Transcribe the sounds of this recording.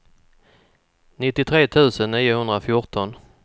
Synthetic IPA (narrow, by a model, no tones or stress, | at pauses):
nɪt̪ːɪt̪ʰɾeːt̪ʰʉ̟ːsənːiːjʊhɵnd̪ɾafjʊʈɔn